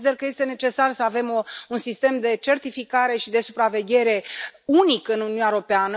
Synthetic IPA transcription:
id̪erkəje̞st̪e̞ne̞t͡ʃe̞sarsəave̞mounsist̪e̞md̪e̞t͡ʃe̞rt̪ifikaɾe̞ʃid̪e̞supɾave̞ɡʲe̞ɾe̞unikɨnuniunaeɾo̞peanə

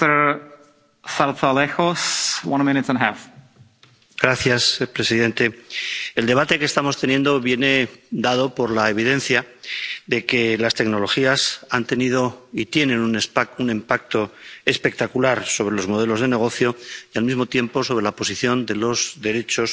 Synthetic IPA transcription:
ə˞ | saɾt̪ʰalexoswʌ̃nmɪ̃nɪtsə̃nəɦæf | ɡ̥ɾaθjaspɾe̞siðe̞nt̪e̞eld̪e̞β̞at̪e̞keːst̪amo̞st̪e̞njẽ̞nd̪o̞βje̞ne̞d̪að̞o̞po̞ɾlaeβ̞iðe̞nθjaðe̞ke̞last̪e̞ɡno̞lo̞xiasant̪e̞niðo̞it̪je̞nẽ̞nunspunempak̚t̪o̞e̞spe̞k̚t̪akulaɾso̞β̞ɾelo̞zmo̞ðe̞lo̞zð̞e̞ne̞ɣ̞o̞θjo̞jalmizmo̞t̪je̞mpo̞so̞β̞ɾe̞lapo̞siθjo̞nd̪e̞lo̞zðe̞ɾe̞t͡ʃo̞s

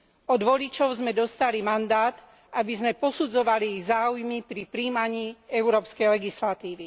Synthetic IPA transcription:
ɔd̪ʋɔlit͡ʃɔʊzmɛd̪ɔst̪alimand̪aːt̪ | ʔabizmɛpɔsud͡zɔʋaliiɣzaːujmipɾipɾiːmaɲiːɛʊɾɔːpskɛjlɛɡislat̪iːʋi

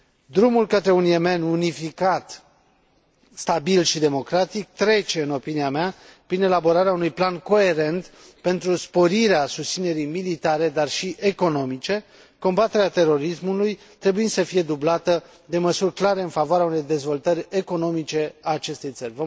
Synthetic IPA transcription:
d̪ɾumulkət̪ɾe̞unje̞me̞nunifikat̪ | st̪abilʃid̪e̞mo̞kɾat̪ik̚t̪ɾe̞t͡ʃe̞ɨno̞piniameapɾine̞labo̞ɾaɾeaunujplanko̞e̞ɾe̞nt̪ | pe̞nt̪ɾuspo̞ɾiɾeasust̪sine̞ɾijmilit̪aɾe̞d̪arʃiʔe̞ko̞no̞mit͡ʃe̞ | ko̞mbat̪e̞ɾeat̪e̞ɾo̞ɾismuluj | t̪ɾe̞buinsəfije̞d̪ublat̪ə | d̪e̞məsurʲklaɾe̞ɨnfavoaɾeaunejd̪e̞zvo̞lt̪əɾʲe̞ko̞no̞mit͡ʃe̞aːt͡ʃe̞st̪e̞jt̪sərʲɾʲvo

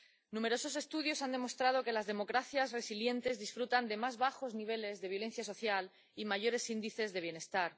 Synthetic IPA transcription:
nũme̞ɾo̞so̞s̬e̞st̪uðjo̞sand̪e̞mo̞st̪ɾað̞o̞ke̞lazðe̞mo̞kɾaθjazre̞silje̞nt̪e̞zðisfɾut̪and̪e̞mazβaxo̞zniβ̞e̞le̞zðe̞β̞jo̞le̞n̟θjaso̞θjal | imaʝo̞ɾe̞sind̪iθe̞zðe̞βje̞ne̞st̪aɾ

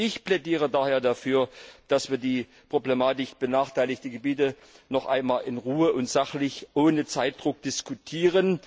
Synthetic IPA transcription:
ʔɪçplɛdiːʁ̞ədaːheːɐdafyːɐd̥asv̥iːɐdiː | pʁ̥oblemaːtɪkb̥ənaːχtʰaɪlɪçtəɡəbiːtə | nɔχʔa̰ɪnmaːlɪnʁuːəʔʊntz̥aχlɪçʔoːnət͡saɪt̚d̥ʁʊk̚d̥ɪskutʰiːʁən

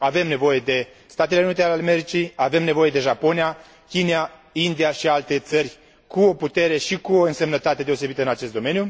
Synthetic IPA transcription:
ave̞mne̞vo̞je̞d̪e̞ | st̪at̪ele̞unit̪ealealeme̞ɾit͡ʃiave̞mne̞vo̞je̞d̪e̞ʒapo̞nia | kʲineaind̪iaʃialt̪e̞t̪sərʲ | kuo̞put̪e̞ɾe̞ʃikuoɨnse̞mnət̪at̪e̞d̪e̞ose̞bit̪əɨnat͡ʃe̞st̪d̪o̞me̞nju

